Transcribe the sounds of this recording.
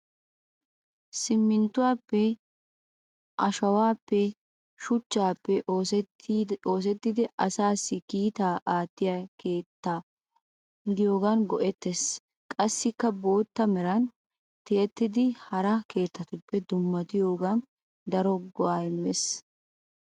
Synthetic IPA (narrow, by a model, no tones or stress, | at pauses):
sɪmːɪnt̪ːʊwaːpːɛ | ʔɐʃɐwaːpːɛ | ʃʊt͡ʃːaːpːɛʔos | o̞ːs̬ɛt̪ːɪd̪ɪʔɐsaːsːɪkiːt̪aːʔaːt̪ːɪjake̞ːt̪ːa | d̪ɪjo̞ːɡɐnɡɔʔɛt̪ːes | kʼɐsːɪkːɐbo̞ːt̪ːɐmɛɾɐn | t̪ɪjɛt̪ːɪd̪ɪhɐɾɐke̞ːt̪ːɐt̪ʊpːɛd̪ʊmːɐt̪ɪjo̞ːɡɐn | d̪ɐɾɔɡɔaːɪmmes